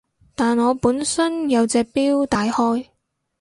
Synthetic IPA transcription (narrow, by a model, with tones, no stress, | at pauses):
t̪aː˨nŋɔː˨˧puː˨˥nsɐ˥njɐ˨˧wt͡sɛː˧k̚piː˥wt̪aː˨jhɔː˥j